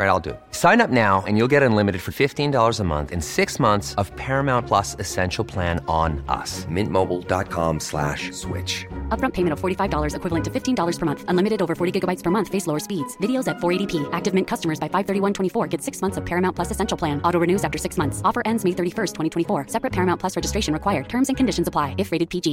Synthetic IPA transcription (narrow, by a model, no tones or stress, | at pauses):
ɹaɪɾaɪlˠdɨ̰ | sãɪ̃nʌp̚naʊɨ̰̃njulˠɡɛɾɨ̃nlɪ̃mɨɾɨd̥fə˞fɪftĩndɔlˠə˞zəmʌ̰̃nθɨ̰̃nsɪksmʌ̃nθsʌv̥pʰɛɹɨmãʊ̃npʰl̥ʌsɨsɛ̃nʃl̩ˠpʰl̥æ̃nə̃nʌ̰smɪ̰̃nmoʊbl̩ˠdɑ̰t̚kʰɑ̰̃mslæ̰ʃswɪ̰t͡ʃʌpbɹʌ̃mpʰeɪmɨ̃ñtʌv̥fɔɹɾifaɪvdɔlˠə˞zɨkʰwɪvlˠə̃ntʰɨfɪftʰĩndɔlˠə˞z̥pə˞mʌ̃nθə̃nlɪ̃mɨɾɨɾoʊvə˞fɔɹɾiɡɪɡəbaɪtspʰə˞mʌ̃nθfeɪsloʊə˞spidz̥vɪɾioʊzætfɔɹeɪɾipʰiʔæk̚tɨvmɪ̃nkʰʌstəmə˞zbaɪfaɪv̥θɜ˞ɾiwʌ̃ntʰwɛ̃ɾ̃ifɔɹɡɛv̥sɪksmʌ̃nθsʌv̥pʰɛɹɨmãʊ̃npʰlʌsɨsɛ̃nʃl̩ˠʰl̥æ̃nʔɔɾoʊɹɨnʉzæftə˞sɪksmʌ̃nθsɔfə˞ʔɛ̃ndzmeɪθɜ˞ɾifɜ˞stʰwɛ̃ɾ̃tʰɛ̃ifɔɹsɛpɹɨt̚pʰɛɹɨmãʊ̃npʰl̥ʌsɹɛd͡ʒɨstɹ̥eɪʃɨ̃nɹɨkw̥aɪə˞d̚tʰɜ̃˞mzɨ̃nkʰɨ̃n̩dɪʃn̩zəpʰl̥aɪɨfɹeɪɾɨd̚pʰid͡ʒi